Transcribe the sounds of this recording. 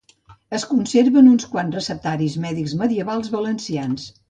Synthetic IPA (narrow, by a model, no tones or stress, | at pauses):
əskunseɾβənunskwanzrəsəp̚t̪aɾizmɛðikzməðiəβalˠzβələnsians